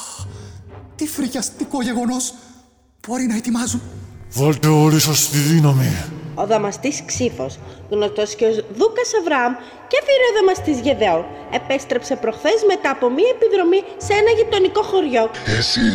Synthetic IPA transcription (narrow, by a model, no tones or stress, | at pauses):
t̪ifɾiʝɐst̪iko̞ʝe̞ɣo̞no̞s | b̥o̞ɾinɐet̪imɐzunvolt̪eoɾisost̪iðinɐmio̞ðɐmɐst̪isksifo̞̰s | ɣnost̪osceozðukɐsɐvɾɐɐm | cefiɾioðɐmɐst̪izʝe̞ðe̞on | e̞pe̞st̪ɾe̞pse̞pɾo̞xθe̞zme̞t̪ɐːpo̞miɐepiðɾo̞mi | seenɐʝit̪o̞niko̞xo̞ɾʝo̞esi